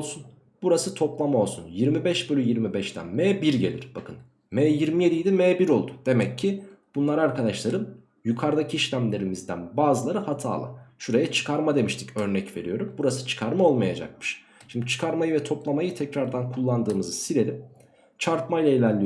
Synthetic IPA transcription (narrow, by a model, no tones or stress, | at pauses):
lˠsun | b̥uɾasɯt̪ʰo̞plˠamao̞lˠsunjiɾmibɛʃbø̞lʲyjiɾmibɛʃt̪ʰæ̰nmɛːbiɾɟe̞̰lʲḭɾ̥b̥akʰɯn | mɛːjiɾmije̞d̪ijd̪imɛːbiɾo̞lˠd̪ud̪̥e̞mɛcʰːib̥unlˠaɾaɾkad̪aʃlˠaɾɯn | jukʰaɾd̪acʰiiʃlʲæmlʲe̞ɾimizd̪æ̰nbaːzɯlˠaɾɯhat̪ʰa̰ːlˠa̰ʃuɾajat͡ʃʰɯ̥kʰaɾmad̪e̞miʃt̪ʰicø̞ɾnɛcve̞̰ɾijo̞ɾumbuɾasɯ̥t͡ʃʰɯ̥kʰaɾmao̞lˠmajad͡ʒa̰k̚mɯ̥ʃ | ʃimnd̪it͡ʃʰɯ̥kʰaɾmajɯvɛt̪ʰo̞plˠamajɯt̪ʰɛcɾaɾd̪ankʰulˠːand̪ɯːmɯzɯsiɾe̞ɾim | t͡ʃʰaɾpmajlˠailʲæɾlʲːijo